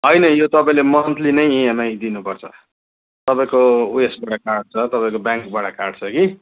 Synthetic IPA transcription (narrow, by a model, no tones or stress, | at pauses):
ɦʌjnʌjot̪ʌpaĩlemʌnt̪ʰlinʌjiemajd̪inupʌrt͡sʰʌ̰ | t̪ʌpaĩkouesbaʈakarɖ̚t͡sʰʌt̪ʌpaĩkobjaŋkbaɽakarɖt͡sʰʌki